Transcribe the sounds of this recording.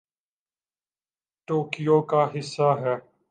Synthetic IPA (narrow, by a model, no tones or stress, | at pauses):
ʈoːkijoːkaɦɪsːaɦɛː